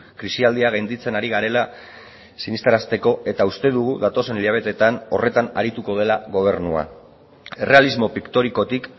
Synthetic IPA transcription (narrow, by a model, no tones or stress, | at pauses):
kɾisiald̪iaɣ̞ajnd̪it͡se̞naɾiɣ̞aɾe̞la | sinist̪aɾast̪e̞ko̞e̞t̪aust̪e̞ðuɣ̞uðat̪o̞se̞niʎaβ̞e̞t̪e̞t̪ano̞re̞t̪ana̰ɾit̪uko̞ð̞e̞laɣo̞β̞e̞ɾnua̰ | e̞re̞alizmo̞pikt̪o̞ɾiko̞t̪ik